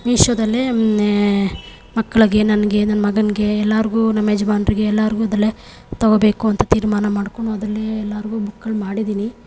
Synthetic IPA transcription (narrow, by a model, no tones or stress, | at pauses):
miʃjɐd̪ɐlːe | mɐkːɐɭiɡe̞nɐnɐɡe̞nɐnɐmɐɡɐniɡe̞ɛlːaɾiɡuːnɐmːed͡ʒɐbaːnɾiɡe̞ɛlːaːɾiɡuːɐd̪ɐlːe | t̪ɐɡobe̞ːkuɐnt̪ɐt̪iːɾmaːnɐmaːɽkoɳuɐd̪ɐlːeɛlːaːɾiɡuːbukːɐɭmaːɽid̪iːni